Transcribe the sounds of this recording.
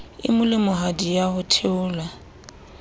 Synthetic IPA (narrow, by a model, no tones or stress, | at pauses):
ɪ̰mʊlɪmʊɦadijahʊtʰeʊːla